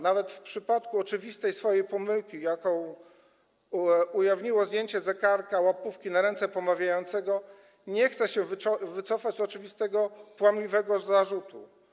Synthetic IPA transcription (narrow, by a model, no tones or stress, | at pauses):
navɛt̪fpʂɘpat̪kuɔt͡ʂɘvʲist̪ɛjsfɔjejpɔmɘwkʲijakɔ̃w̃ | ujavɲiwɔzd̪ʲjeɲt͡ɕɛzɛkaɾkawapufkʲinaɾɛnt̪sɛpɔmavʲjajɔnt̪sɛɡɔ | ɲɛxt̪sɛɕɛvɔvɘt̪sɔfad͡ʑzɔt͡ʂɘvʲist̪ɛɡɔpwamlʲivɛɡɔzaʐut̪u